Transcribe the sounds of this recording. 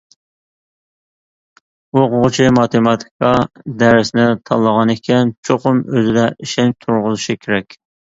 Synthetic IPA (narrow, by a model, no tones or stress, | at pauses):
oqʰʊʁʊt͡ʃʰimɑt̪ʰemɑt̪ʰi̥kʰɑd̪æɾɪsnɪt̪ʰɑlˠːəʁɑnekʲʰɛnt͡ʃʰoqʊmøzɪd̪ɛʔiʃɛnt̪ʰʊɾʁʊzɨʃikʲʰeɾɛkʲ